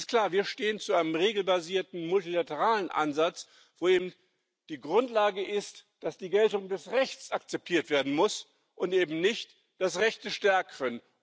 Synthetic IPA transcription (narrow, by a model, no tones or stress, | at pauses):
stkl̥aːɐviːɐʃteːənt͡suʔaɪnəmʁeːɡl̩baziːɐtn̩mʊltilatəʁaːlənʔa̰nzat͡s | v̥oːeːbm̩ | d̥iːɡʁʊntlaːɡəʔɪst | d̥asd̥iːɡɛltʊŋdɛsʁɛçt͡sakt͡sɛp̚tʰiːɐtv̥eːɐdn̩mʊs | ʔʊntʔeːbm̩nɪçt | d̥as̬ʁɛçtəʃtɛɐkən